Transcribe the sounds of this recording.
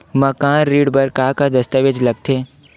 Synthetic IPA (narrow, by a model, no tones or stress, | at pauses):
mɐkãːnɾiːɽbɐɾkaːkad̪ɐst̪əʋed͡ʒlɐɡt̪ʰeː